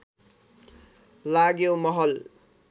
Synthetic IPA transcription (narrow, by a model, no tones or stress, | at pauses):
laɡjomʌɦʌl